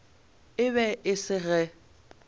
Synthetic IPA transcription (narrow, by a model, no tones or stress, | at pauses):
ɪβɛʔɪsɪɣɛ